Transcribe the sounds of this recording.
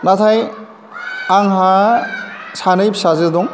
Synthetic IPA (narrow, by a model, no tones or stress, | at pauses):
nat̪ʰaj | aŋɦa | sanɯjpʰsazɯd̪ɔŋ